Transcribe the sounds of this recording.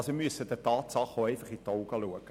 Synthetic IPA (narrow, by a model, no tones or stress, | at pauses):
simyəsədətɑːtsɑχoɛɪfɑχitoʊɡɑluəɡə